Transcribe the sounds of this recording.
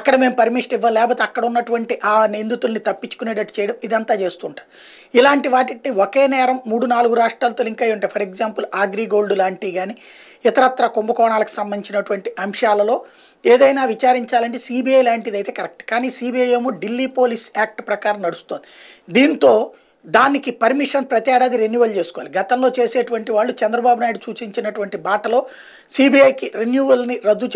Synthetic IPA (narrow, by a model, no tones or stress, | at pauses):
ɐkːɐɽɐme̞ːmpɐɾmiʂʈiʋːɐlɛːp̬oːt̪eɐkːɐɽɐunːɐʈuʋɐɳʈiʔaːnend̪ut̪ulnit̪ɐpːit͡ʃːu̥kuneːɽɐʈi̥t͡ʃɛjɐɽɐmid̪ɐnt̪aːt͡ʃe̞ːst̪uːɳʈaːɾu | ilaːɳʈiʋaːʈiʈːiokeːnɛːɾɐmːuːɽunaːluɡuɾaːʂʈɾaːlɐt̪oːiŋkaːjuɳʈeːpʰɐɾeɡzaːmpulaːɡɾiːɡo̞ːɭɖulaːɳʈiːɡaːniɪt̪ɐɾɐt̪ːɾɐkombɐkɔːɳaːlɐku̥sɐmbɐnit͡ʃinɐʈuʋɐɳʈiʔɐmʂaːlɐlo̞ː | eːd̪ɐjnaːʋit͡ʃaːɾiɲt͡ʃaːlɐɳʈesiːbiɐjlaːɳʈiːd̪ɐjt̪eːkɐɾek̚ʈkaːniːsiːbiɐjemuɖilːiːpo̞ːliːsaːk̚ʈpɾɐkaːɾɐmnɐɽust̪oːnd̪id̪iːnt̪o̞ː | d̪aːnikipɐɾmiʂɐnpɾɐt̪jaːɽaːd̪iɾenjuːʋɐlt͡ʃe̞ːsukɔʋa̰ːliɡɐt̪ɐmloːt͡ʃe̞ːseːʈuʋɐɳʈiʋaːɭːut͡ʃɛnd̪ɾɐbaːbunaːjiɽut͡ʃuːt͡ʃiɲt͡ʃinɐʈuʋɐɳʈibaːʈɐlo̞ː | siːbiɐjkiɾenjuːʋɐlniɾɐd̪ːut͡ʃ